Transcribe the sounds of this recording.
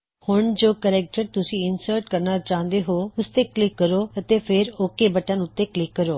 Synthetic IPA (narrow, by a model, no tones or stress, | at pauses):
hʊɳd͡ʒoːkəɾɛːk̚ʈəɾt̪ʊsĩːɪnsəːɾʈkəɾnaːt͡ʃãːnd̪eːɦoːʊst̪eːklɪkːəɾoːət̪eːpʰɪɾoːkːeːbəʈãːnʊt̪ːeːklɪkːəɾoː